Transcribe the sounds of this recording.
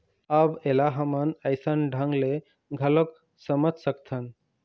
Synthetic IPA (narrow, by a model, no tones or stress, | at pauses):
əbelaɦəmənəjsənɖʱəŋɡle | ɡʱələk | səməd͡ʒʱsəkt̪ʰən